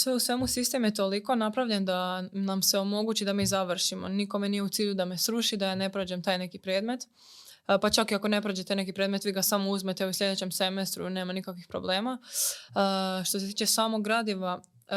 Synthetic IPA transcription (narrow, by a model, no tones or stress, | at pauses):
sʋeusʋe̞musist̪e̞mjet̪o̞liko̞napɾaʋʎe̞nd̪anamse̞o̞mo̞ɡuːt͡ɕid̪amiːzaʋr̩ʃimo̞̰niko̞menijeut̪siːʎud̪ame̞sɾuʃid̪ajane̞pɾod͡ʒemt̪aːjne̞kipɾeːd̪me̞t̪ | pat͡ʃakiako̞ne̞pɾod͡ʒet̪ejne̞kipɾed̪me̞t̪ʋiːɡasamouzmet̪euslʎʲe̞d̪et͡ɕe̞mse̞mest̪ɾṵne̞ːmanikakʋixpɾo̞̰ble̞ːma | ʃt̪o̞set̪iːt͡ʃe̞saːmoɡɾad̪iʋa